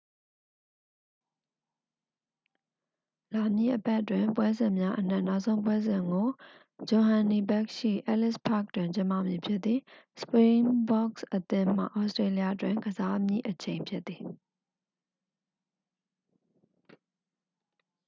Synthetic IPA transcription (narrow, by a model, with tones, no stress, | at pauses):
la˨mjḭ˦˨ʔəpɛ˦ʔtwɪ̃˨mpwɛ˦zɪ̃˨mja˦ʔən̥ɛ̰˦˨na˦ʊʔsʰõ˦ʊ̃mp̬wɛ˦zɪ̃˨ŋɡo˨ | d͡ʑo˨ɦã˨ni˨bɛ˦kʃḭ˦˨ʔɛ̰˦ʔlɪ˦spʰa̰˦˨k̚twɪ̃˨ɲt͡ɕɪ̃˦mpä̰˦˨mji˨pʰjɪ˦t̪θði˨sə̥pɹĩ˦mbɔ˦ksʔət̪ɪ̃˦m̥a̰˦˨ʔɔ˦stɹe˦li˦a˦twɪ̃˨ŋɡəza˦mjḭ˦˨ʔət͡ɕʰẽ˨ɪ̃mpʰjɪ˦t̪ːði˨